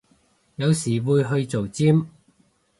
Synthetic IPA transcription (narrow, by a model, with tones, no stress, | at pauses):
jɐ˨˧wsiː˨˩wuː˨˧jɦɵ˧ɥt͡so˨˩wt͡siː˥m